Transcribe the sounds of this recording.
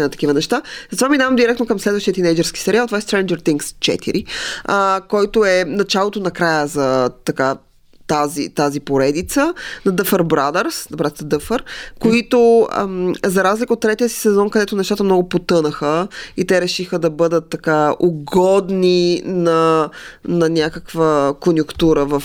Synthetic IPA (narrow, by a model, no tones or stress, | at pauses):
ɛt̪ɐ̥kivənɛʃt̪azət̪ovaminavɐmd̪iɾɛk̚t̪nokɐmslɛd̪vəʃt̪iət̪inɛjd͡ʒɛɾski̥sɛɾialˠt̪ovaɛst̪ɾɛnd͡ʒəɾt̪iŋkst͡ʃɛ̰t̪ḭɾʔiəkɔjt̪oɛnɐt͡ʃalˠot̪onɐkɾajəzɐt̪ɐka | t̪azḭt̪azipoɾɛd̪it̪sənɐd̪əfəɾbɾad̪əɾsɐbɾad̪ɾsd̪ɤfəɾkoit̪o̰mzɐɾazlikəot̪ːɾɛt̪iəsi̥sɛzɔnkɐd̪ɛt̪ʊnɛʃt̪at̪əmnɔɡʊpot̪ɤnəxəit̪ɛɾɛʃixəd̪ɐbɤd̪ət̪ːɐkaoɡɔd̪ninɐ | nɐnʲakəkvəkonʲjʊkt̪uɾəvəf